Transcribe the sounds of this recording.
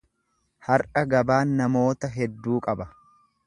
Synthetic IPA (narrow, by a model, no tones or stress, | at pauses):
hɐɾʔɐɡɐbaːnːɐmo̞ːt̪ɐɦɛd̪ːuːkʼɐbɐ